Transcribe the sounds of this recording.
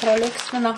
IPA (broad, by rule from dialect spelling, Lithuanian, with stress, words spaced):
prɐˈlʲɪŋksʲmʲɪnɐ